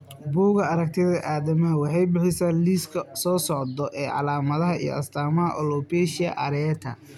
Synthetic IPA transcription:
buːɣɐɐɾɐk̚t̪ʰɪðɐʔaːðɐmɐɦɐwɑħɑjbɪħɪsaːliːskʰɐsɔːsɔʕd̪ɔʔɛːʕɑ̰laːmɐðɐɦɐḭj̰ʔɐ̰st̪ʰaːmɐɦɐ̰ʔɔlɔpɛʃɪɐ̰ʔɐɾɛt̪ʰɐ

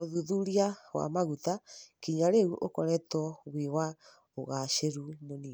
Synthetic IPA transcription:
oðuðuɾiawa̰maɣutakiɲaɾeɣuʔokɔɾɛtɔβwiwa | oɣaʃeɾumoni

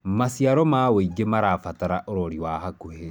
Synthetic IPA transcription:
masjaɾɔmaweiɡemaɾaːfataɾaʔoɾoɾiwahakohe

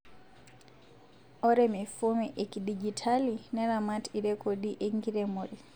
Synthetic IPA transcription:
ɔɾɛmifumiʔekiɗid͡ʒitʰalinɛɾamatiɾɛkʰoɗiʔeŋɡiɾɛmuɾi

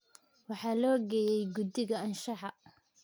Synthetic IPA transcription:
wɑħɑːlɔːɡɛːjɛjɡʊd̪ɪɣɐɐnʃɑħɑ

